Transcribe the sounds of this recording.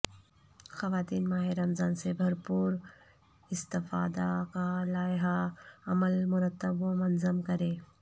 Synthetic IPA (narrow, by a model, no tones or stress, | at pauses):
xɐʋaːt̪iːnmaːɦeɾɐmzaːnsebʱɐɾpuːɾ | ɪst̪ɪfa̰ːd̪akalaːjɦaɐməlmʊɾət̪ːəbomɐnzəmkɐɾeː